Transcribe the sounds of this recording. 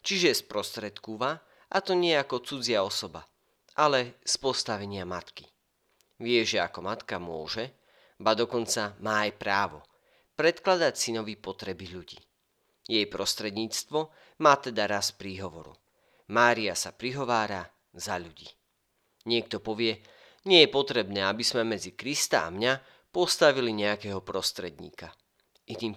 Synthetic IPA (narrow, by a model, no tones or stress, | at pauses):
t͡ʃiʒɛspɾɔst̪ɾɛt̪kuʋa | ʔat̪ɔɲɪɛakɔt͡sud͡zɪaɔsɔba̰ | ʔalɛspɔst̪aʋɛɲɪamat̪ki | ʋɪɛʒɛa̰kɔmat̪kamʊɔ̰ʒɛ | bad̪ɔkɔnt͡samaːajpɾaːʋɔ̰ | pɾɛt̪klad̪acsinɔʋipɔt̪ɾɛbiʎuɟḭː | jɛjpɾɔst̪ɾɛd̪ɲiːt͡st̪ʋɔ | maːt̪ɛd̪aɾaspɾiːɦɔʋɔɾṵ | maːɾiasapɾiɦɔʋaːɾa | zaʎuɟḭː | ɲɪɛk̚t̪ɔpɔʋɪɛ | ɲɪɛjɛpɔt̪ɾɛbnɛːabizmɛmɛd͡zikɾist̪a̰a̰mɲa | pɔst̪aʋiliɲɛakɛːɦɔpɾɔst̪ɾɛd̪ɲḭːka | ʔiniːm